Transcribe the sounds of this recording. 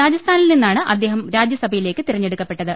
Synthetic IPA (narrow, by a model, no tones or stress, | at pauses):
ɾaːd͡ʑɐst̪ʰaːnilninːaːɳɨʔɐd̪ːe̞ːɦɐmɾaːd͡ʑjɐsɐbʱɐjile̞ːkːɨt̪irɐɲːeɽukːɐpːe̞ʈːɐðɨ